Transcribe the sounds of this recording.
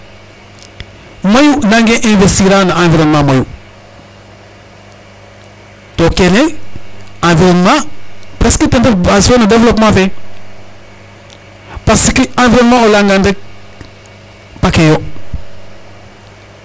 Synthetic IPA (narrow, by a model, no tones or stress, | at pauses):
mɐjunãŋɡɛ̃ʔɛ̃vestiɾanaãːviɾɔnmãːmɐju | tokenɛ | ãːviɾɔnmãpɾɛskətendəasonədevlɔpmãfɛ | pasəkiãːviɾɔnmãolãŋɡãnde | pakejo